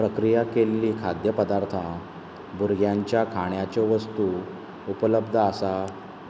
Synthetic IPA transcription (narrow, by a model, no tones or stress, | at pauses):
pɾəkɾijakelːiːkʰad̪jəpəd̪aɾt̪ʰa | buɾɡʱjãɲt͡ɕjakʰaɳ̃jat͡ɕeʋəst̪u | upələbd̪ʱəasa